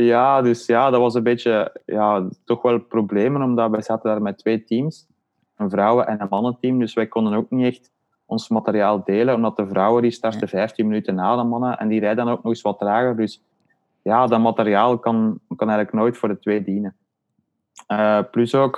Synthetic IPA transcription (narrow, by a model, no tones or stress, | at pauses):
jaːdʏsjaːdɑtʋɑsənbeːtəjaːtɔxʋɛlˠprobleːmənɔmdɑtʋɛjzaːtəndaːrmɛtʋeːtims | ənvrɑwəʔɛnənmɑnətimdʏsʋɛjkɔndənoːk̚niɛxt | ɔnsmɑteɾijaːlˠdeːlənɔmdɑtəvrɑwədistɑrtəvɛjftinmənytənaːdəmɑnəʔɛ̰ndiɾɛjdəənoːknɔɣɪsʋɑdraːɣədʏs | jaːdɑtmɑteɾiaːlˠkɑnkɑnɛjɣələknoːjtfoːrdətʋeːdiːnə | əplysoːk